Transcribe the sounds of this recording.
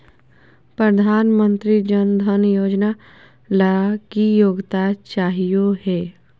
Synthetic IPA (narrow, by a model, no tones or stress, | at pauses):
pɾəd̪ʱaːnmə̃nt̪ɾid͡ʒənd̪ʱənjoːd͡ʒna | ləakijoːɡt̪at͡ʃaːɦijoɦɛː